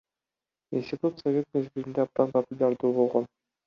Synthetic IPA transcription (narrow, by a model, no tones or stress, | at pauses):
insʲtʲɪt̪ut̪sɐvʲe̞t̪̚me̞zbiɾind̪eab̚d̪ɑnpɐpʊlʲaɾd̪uːbo̞lˠʁon